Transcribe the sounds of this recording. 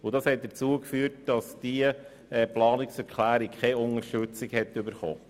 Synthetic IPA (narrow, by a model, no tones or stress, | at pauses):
ʊdɑshɛt̚d̥ət͡suəkfyːɾt̚d̥ɑsd̥iə | ɛplɑːnɪksɛɾkʰlæːɾɪkkʰɛʊnəɾʃtøt͡sɪkhɛtːʏbəɾχɔ̰ː